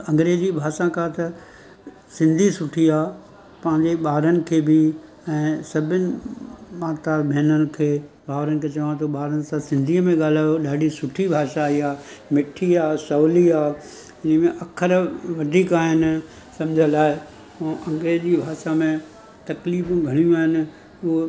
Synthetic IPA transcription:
ɐ̃ŋɡɾeːzibʱaːʃãkat̪ɐ | sɪ̃nd̪ʱisʊʈʰiaː | pɐ̃ɦɪ̃ɲd͡ʑeɓaːɾənɪ̆kʰeːbɪ | ɛ̃ːsɐbʱɪnɪ̆maːt̪abʱeːnənɪ̆kʰeː | bʱaːʋɾənɪ̆kʰeːt͡ɕɐʋãt̪ʰoɓaːɾənɪ̆sãsɪ̃nd̪ʱiːəmẽɠaːl̤aːjoɗaːɖʱisʊʈʰibʱaːʃaːiaːmɪʈʰiaːsɐːliaː | ɪnə̆mẽʔɐkʰəɾʋɐɖʱiːkaːɦɪnɪ̆ | sɐ̃md͡ʑʱənlaːɪ | ũːʔɐ̃ŋɡɾeːd͡ʑibʱaːʃamẽ | t̪ɐkliːfũɡʱɐɽ̃ijũaːɦɪnɪ̆ | ʊo

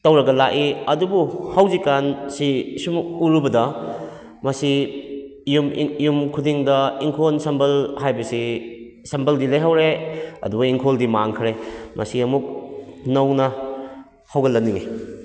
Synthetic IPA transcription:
tɐwɾɐɡɐlakiɐdubuhɐwzikansisumuɾubɐdɐ | mɐsi | jumjumkʰudiŋdɐiŋkʰonsɐmbɐlhajbɐsi | sɐmbʰɐldilɐjɦawɾeɐ̰dubuiŋkʰoldimaŋkʰɾemʔɐ̰siɐmuk̚nɐwnɐ | hɐwɡɐlɐnːiŋe

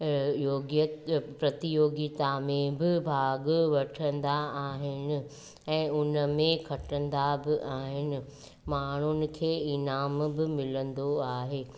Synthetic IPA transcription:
joːɡət̪pɾɐt̪ɪjoːɡɪt̪amẽbɪbʱaːɡʋɐʈʰə̃nd̪aaːɦɪnɪ̆ | ɛ̃ːʊnəmẽkʰɐʈə̃nd̪abɪʔaːɦɪnɪ̆ | maːɳ̤ʊnɪ̆kʰeːɪnaːmbɪmɪlə̃nd̪oaːɦeː

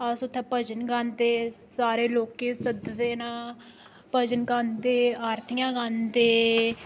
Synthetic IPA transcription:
əsʊt̪ʰːẽːpəd͡ʒənɡãnd̪eːsaːɾeːloːkːeːsəd̪d̪eːnãː | pəd͡ʒənɡand̪eːaːɾt̪ʰijãːɡand̪eː

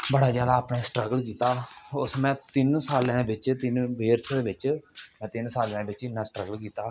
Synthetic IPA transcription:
bəɽaːzjaːd̪aːpnẽːsʈɾəɡəlkiːt̪aːʊsmɛ̃ːt̪ɪnsaːlãːbɪt͡ʃt̪ɪnbeːɾsd̪eːʋɪt͡ʃmɛ̃ːt̪ɪnsaːlãːbɪt͡ʃɪnːãːsʈɾəɡəlkiːt̪aː

